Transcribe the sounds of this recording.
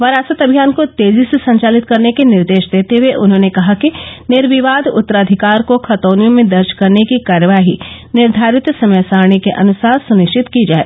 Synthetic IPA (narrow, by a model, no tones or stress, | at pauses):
ʋɐɾaːsət̪ɐbʱijaːnkot̪eːzisesɐ̃ɲt͡ʃaːlɪt̪kɐɾnekenɪɾd̪eːʃd̪eːt̪eʋeʔʊnɦõːnekɐɦakinɪɾʋɪʋaːd̪ʊ̰t̪ːəɾaːd̪ʱɪkaːɾkokʰɐt̪oːnijõmẽd̪ɐɾʃkɐɾnekikaːɾjəʋaːɦinɪɾd̪ʱaːɾɪt̪sɐməjsaːɾɳ̃ekeʔɐ̰nʊsaːɾsʊnɪʃt͡ʃɪt̪kid͡ʒaːḛː